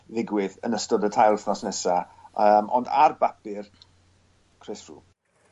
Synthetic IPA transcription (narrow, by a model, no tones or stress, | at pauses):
ðɪɡwɪðənəstɔdətʰajlˠθnɔsnɛsa | əmʔɔ̰nda̰rbapɪr | kʰrɪsrṵː